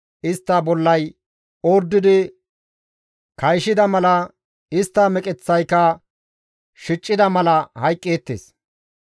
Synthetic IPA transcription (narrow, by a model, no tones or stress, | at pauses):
ʔɪst̪ːɐbɔlːɐj | oːɾd̪ːɪd̪ɪ | kɐjʃɪd̪ɐmɐlɐ | ɪst̪ːɐmɛkʼɛt͡sːɐjkɐ | ʃɪt͡ʃʼːɪd̪ɐmɐlɐhɐjkʼːeːt̪ːḛːs